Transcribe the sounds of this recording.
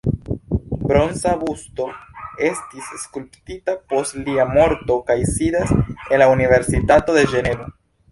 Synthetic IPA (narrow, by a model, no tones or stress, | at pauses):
bɾo̞nsabusto̞e̞stisːkulptitapo̞stliamo̞ɾto̞kajsidase̞nlaunive̞ɾsitato̞de̞d͡ʒe̞ne̞vo